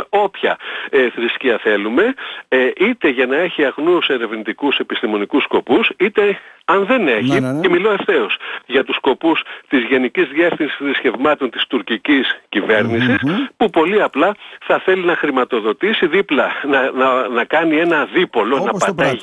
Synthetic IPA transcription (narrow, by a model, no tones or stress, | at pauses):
o̞pçɐ̰eθɾisciɐθe̞lume̞ʔit̪e̞ʝɐnɐe̞çiɐɣnuse̞ɾe̞vnit̪ikuse̞pist̪imo̞nikusko̞pusit̪e̞ɐnðe̞ne̞çiemilo̞e̞fθe̞osʝɐt̪usko̞pust̪izʝe̞nicizðie̞fθinsi̥sθɾisce̞vmɐt̪o̞nt̪i̥st̪uɾciciscive̞ɾnisispupo̞liɐplɐθɐθe̞linɐxɾimɐt̪o̞ðo̞t̪isiðiplɐnɐnɐnɐkɐnie̞nɐðipo̞lo̞nɐppɐt̪ɐ